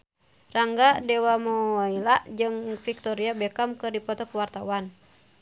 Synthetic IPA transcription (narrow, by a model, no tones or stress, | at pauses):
raŋɡadɛwamɔilaʔd͡ʒɨŋfik̚t̪ɔɾiabɛkamkɨrdipɔt̪ɔkuwart̪awan